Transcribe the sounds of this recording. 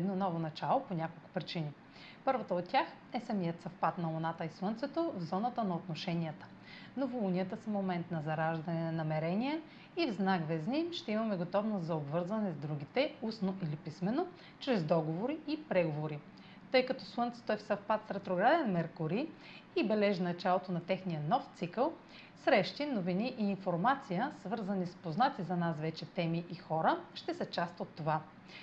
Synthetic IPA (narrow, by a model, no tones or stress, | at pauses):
ɛd̪nɔnɔvonɐt͡ʃalˠoponʲakolˠkʊ̥pɾit͡ʃini | pɤɾvɐt̪əot̪tʲːax | ɛsɐmijət̪sɐfpat̪nɐlˠonat̪əislˠɤnt̪sɛt̪ovzɔnɐt̪ənɐot̪noʃɛniət̪ə̥ | novolˠʊnʲiət̪əsɐmomɛnt̪nɐzɐɾaʒd̪ɐnɛnɐmɛɾɛniɛ | ivznaɡvɛznimʃt̪ɛimɐmɛɡot̪ɔvnoszɐobvɤɾzvɐnɛzd̪ɾuɡ̟it̪ɛusnoʔilipismɛno | t͡ʃɾɛzd̪ɔɡovoɾiipɾɛɡovoɾi | t̪ɤjkɐt̪ɔslˠɤnt̪sə̥t̪oɛfsɐfpat̪sɾɛt̪ɾoɡɾad̪ɛnmɛɾkoɾi | ibɛlɛʒnɐt͡ʃalˠot̪onɐt̪ɛxnijənɔft̪sikəlˠ | sɾɛʃt̪inoviniʔiːnfoɾmat̪sijəsvɤɾzənispoznat̪sizɐnasvɛt͡ʃɛt̪ɛmiʔixɔɾəʃt̪ɛsɛt͡ʃast̪ot̪ːova